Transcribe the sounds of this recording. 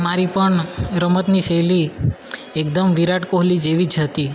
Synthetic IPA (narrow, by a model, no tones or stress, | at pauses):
maɾipəɳɾəmət̪niʃeli | ekd̪əmʋiɾaʈkoɦlid͡ʒeʋid͡ʒɦət̪i